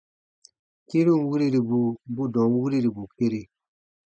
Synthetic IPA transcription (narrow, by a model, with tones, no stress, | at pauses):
ki˦ɾu˦˨˦wi˦ɾi˦ɾi˨bu˨bu˦dɔ̃˨ŋ˦wi˦ɾi˦ɾi˨bu˨ke˦ɾe˦